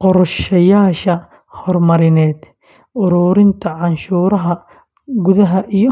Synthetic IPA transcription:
qɔɾʃɐjaːʃɐ | hɔrmɐɾɪnɛːd̪ | ʔʊɾuːɾɪnt̪ʰɐʕɑnʃuːɾɐɦɐ | ɡʊðɐɦɐʔijɔ

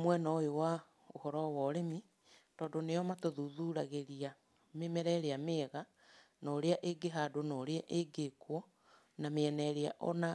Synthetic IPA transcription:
mwɛnaojowa | ohɔɾɔwɔɾemi | tɔːdonejɔmatoðuðuɾaɣeɾia | memɛɾɛɾeameːɣa | nɔːɾeaʔeɡeɦadonɔːɾeaʔeɡekwɔ | nameɛnɛɾeaʔɔna

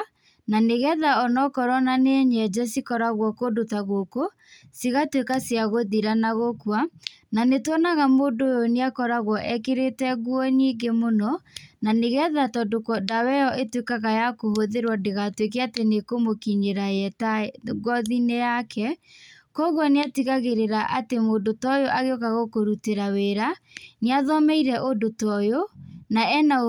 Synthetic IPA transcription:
naneɣɛðaɔnɔkɔɾɔnaneɲɛd͡ʒɛsikɔɾaɣwɔkodotaɣoko | siɣatwekasjaɣoðiɾanaɣokwa | nanetwɔnaɣamoːndojoneakɔɾaɣwɔʔɛkeɾetɛɣwɔniːɡemonɔnaneɣɛðatɔdokɔdawɛɔʔetwekaɣajakohoðeɾwɔdeɣatwek̬eatenekomokiɲeɾaɛtaɡwɔðinejakʰɛkɔɣwɔneatiɣaɣeɾeɾaʔatemoːndotɔjoʔaɣeokaɣokoɾuteɾaweɾaneaðɔmɛiɾɛʔodotɔjonaɛna

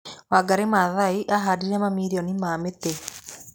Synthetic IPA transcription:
waɡaɾemaðaiʔaɦadiɾɛmamiɾiɔnimaːmete

